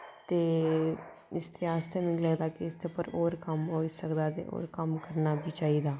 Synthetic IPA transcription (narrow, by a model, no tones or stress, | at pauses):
t̪eː | ɪst̪ʰeaːst̪ʰemɪ̃ɡləɡd̪aːkeɪst̪ʰepəɾoːɾkəmɦoːɪsəkd̪aːd̪ḛo̰ːɾkəmkəɾnabʱit͡ʃaːɦid̪aː